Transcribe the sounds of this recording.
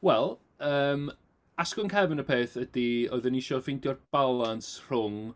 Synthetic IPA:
wɛlˠ | əːm | askʊnkʰɛvɪnəpʰeːθədioɨðənɪʃɔvfɪjndjɔrb̥alˠansr̥ʊŋ

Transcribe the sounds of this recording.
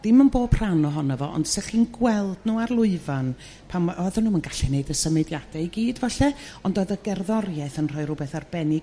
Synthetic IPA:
d̥ɪmənboːb̥̚pʰr̥anɔɦɔnəvɔ̰ʔɔ̰nd̥sɛχiːnɡwɛlˠdnuːarlˠʊɨvan | pʰamʔɔðɛnuːmanɡaɬɛneɨdəsəmɨdjad̥ɛiɡiːdvaɬɛɔndoːðəɡɛrðɔrjɛθənr̥ɔɨɾʊbɛθarbɛnɪ

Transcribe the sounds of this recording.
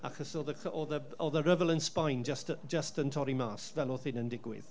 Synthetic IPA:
a̰xɔsɔðəkɔːðə | ɔðəɾəvəlˠənspajnd͡ʒəstəd͡ʒəstəntʰɔɾimaːsvɛlˠɔθɪnəndɪɡwɪ̰ð̥

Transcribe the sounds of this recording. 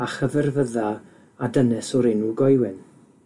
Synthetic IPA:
aχəvɛrvəða | adənɛsɔɾɪnuɡɔjwɪn

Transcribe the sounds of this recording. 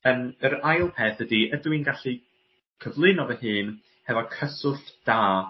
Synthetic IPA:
əːməɾajlˠpʰɛːθədiədwinɡaɬi | kʰəvlˠɨnɔvəhɨːn | hɛvɔkʰəsʊθd̥aː

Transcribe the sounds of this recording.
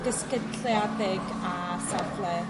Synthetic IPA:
d̥əskətʰljadɪɡ | a | savlɛ

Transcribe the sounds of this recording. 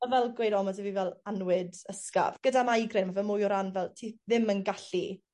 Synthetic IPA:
avɛlˠɡwejdɔmɔsɛvivɛlˠanwɪdəska̰v̥ɡ̥ədamajɡrɪnmavɛlˠmʊjɔɾanvɛlˠtʰiðɪmənɡaɬi

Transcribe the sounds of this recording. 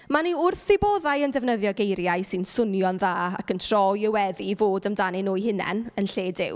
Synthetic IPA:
maniʊrθɪbɔːðajəndɛvnəðjɔɡejɾjaɨsɪnsʊnjɔnðaːa̰kəntʰr̥ɔjəwɛðivoːdəmdanɪnuːjɦɪnɛ̰nənɬeːdɪ̰w

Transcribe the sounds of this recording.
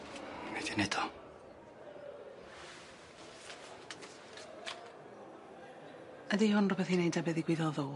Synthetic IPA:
medinɛdɔ | ədihʊnrɔbɛθinejdɛbɛðiɡwɪðɔðʊl

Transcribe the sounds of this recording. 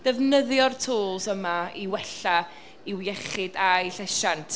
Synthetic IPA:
d̥ɛvnəðjɔrtʰoːlˠsəmaiwɛɬa | iwjɛχɪdajɬɛʃantʰ

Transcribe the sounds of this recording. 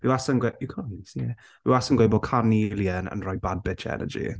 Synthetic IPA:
vɪwasənɡweikʰɔnsiɛ | viwasənɡwejbɔkʰanilˠjənə̰nrɔjbad̚bɪt͡ʃʰɛ̰nə̰d͡ʒḭ

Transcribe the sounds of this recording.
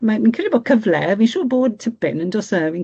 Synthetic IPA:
mamĩnkʰəɾibɔːkʰəvlɛ̰vinʃoːboːd̚tʰəpɪ̰nə̃ndɔsəvin

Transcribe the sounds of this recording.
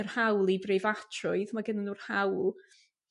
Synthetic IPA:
ərhawlˠibrejvatʰrʊɨðmaɡənanuːrhawlˠ

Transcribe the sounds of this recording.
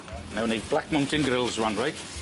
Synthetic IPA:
nawnib̥lak̚mə̃w̃ntɪ̃nɡɹɪlˠzɹãnɹajt

